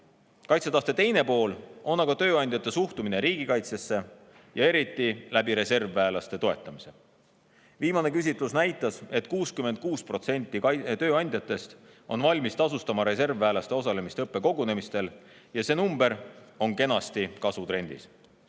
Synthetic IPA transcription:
kɑjt̪set̪ɑst̪e̞t̪e̞jne̞po̞ːlo̞nɑɡ̥ɑt̪ø̞ːɑnʲd̪jɑt̪ːˑe̞suht̪umineɾiːɡ̥ikɑjt̪se̞sːe̞ | jɑe̞ɾit̪ːˑilæbiɾe̞se̞rvːæːlɑst̪e̞t̪o̞e̞t̪ˑːɑmise | viːmɑne̞kys̬ʲit̪ˑlusnæjt̪ːˑɑse̞t̪kuːskyme̞nt̪̚kuːspro̞t̪se̞nʲt̪ːˑit̪ø̞ːɑnʲd̪jɑt̪ːˑe̞st̪ | o̞nvɑlʲmist̪ɑsust̪ɑmɑɾe̞se̞rvːæːlɑst̪e̞o̞s̬ɑle̞mist̪eɤpˑːe̞ko̞ɡ̥une̞mist̪e̞ljɑse̞ːnumb̥e̞ɾo̞nke̞nɑst̪ikɑsut̪ɾe̞nʲd̪̥ḭs

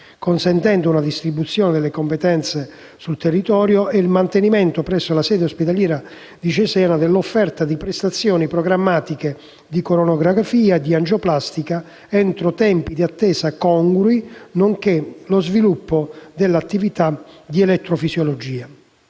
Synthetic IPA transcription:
konsɛnt̪ɛnd̪ounad̪ist̪ɾibːut̪sːjɔːned̪elːekompet̪ɛnt̪se | sult̪erːit̪ɔːɾjoʔɛilmant̪enimɛnt̪opɾɛsːolasɛːd̪eospet̪aljɛːɾa | d̪it͡ʃɛsɛːnad̪elːofːɛrt̪ad̪ipɾɛst̪at̪sːjɔːnipɾoɡɾamːaːt̪ike | d̪ikoɾonoɡɾaafiːaed̪ːiand͡ʒoplast̪ika | ɛnt̪ɾot̪ɛmpid̪iat̪ːɛːsakɔŋɡɾuinoŋkelozvilupːod̪elːat̪ːivit̪ad̪iɛlɛt̪ːɾofisjolod͡ʒiːa

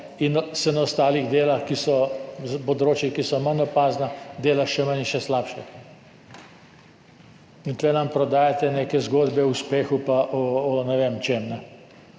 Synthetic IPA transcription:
insɛnaɔst̪aːliɣd̪eːlaxkisɔzpɔd̪ɾoːt͡ʃjikisɔmənːɔpaːznad̪eːlaʃɛməniʃɛslaːpʃɛ | int̪lɛnampɾɔd̪aːjat̪ɛneːkɛzɡoːd̪bɛuspeːxupaʔɔɔnɛʋeːmt͡ʃeːmnɛ

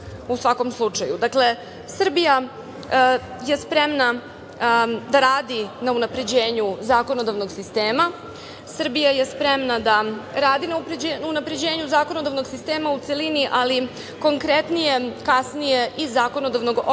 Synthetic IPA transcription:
usʋako̞mslˠut͡ʂajud̪akle̞ | sr̩bija | je̞spɾemna | d̪aɾaːd̪inaunapɾe̞d͡ʑe̞ːɲuzaːko̞nod̪aʋno̞ɡsist̪e̞ːma | sr̩bijaje̞spɾemnad̪aɾaːd̪inaupɾed͡ʑenunapɾe̞d͡ʑe̞ːɲuzaːko̞no̞d̪avnoɡsist̪e̞ːmaut̪se̞liniʔali | ko̞ŋkɾet̪nije̞kasnije̞ʔizaːko̞nod̪aʋno̞ɡo

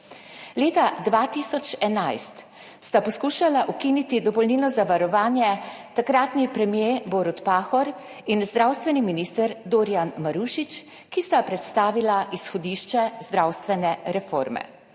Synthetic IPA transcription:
leːt̪ad̪ʋaːt̪isɔt͡ʃɛnajst̪ | st̪apɔskuːʃalaʔukinit̪id̪ɔpɔlniːlnɔzaʋaɾɔʋaːnjɛt̪akɾaːt̪nipɾɛmjeːboɾut̪paːxɔɾ | inzd̪ɾawst̪ʋɛniminiːst̪əɾd̪oːɾjanmaɾuːʃit͡ʃ | kist̪apɾɛt̪st̪aːʋilaʔisxɔd̪iʃt͡ʃɛzd̪ɾawst̪ʋɛnɛɾɛfo̰ːɾmɛ̰

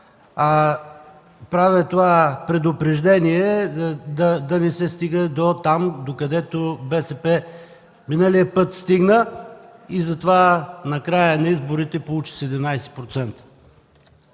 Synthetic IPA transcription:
a | pɾavɛt̪ovapɾɛd̪ʊpɾɛʒd̪ɛniɛd̪ɐd̪ɐnɛsɛst̪iɡəd̪ot̪amd̪okɐd̪ɛt̪obɛsɛpɛ | minəliəpɤt̪st̪iɡnə | izɐt̪ovanɐkɾajənɐizboɾit̪ɛpolˠut͡ʃi̥sɛd̪ɛmnajsɛ̥pɾot̪sɛnt̪ə̥

